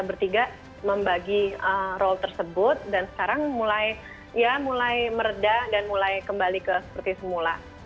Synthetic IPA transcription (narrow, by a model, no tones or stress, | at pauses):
abərt̪iɡaʔ | məmbaɡiərɔlt̪ərsəbʊt̪̚dansə̥kaɾaŋmulaj | jamulajməɾədadanmulajkəmbalikəsə̥pərt̪isəmula